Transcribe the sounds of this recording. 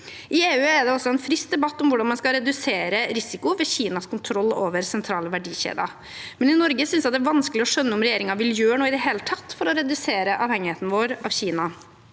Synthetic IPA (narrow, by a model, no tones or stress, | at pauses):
ʔɪeːʉːɛɖ̪ɛɔsːɔɛnfɾɪst̪̚d̪ɛbɑt̪ːɔmʋʊɖɑnmɑnskɑɾɛd̪ʉseːɾəɾɪsɪkʊʋɛçiːnɑskʰʊnt̪ʰɾɔlːo̰ːʋəɾsɛnt̪ʰɾɑːləʋæɖiːçḛːd̪ɑ̰ | mɛnɪnɔɾɡəsʏnsjɑt̪d̪ɛæʋɑnsklɪɔʂœnːəɔmɾɛjeːɾɪŋɑʋɪljøːɳuːɪd̪ɛɦeːlət̪ʰɑt̪ːfɔɾɔɾɛd̪ʉseːɾəʔɑːʋhɛŋːɪheːt̪nəʋoːɾɑʋçiːnɑ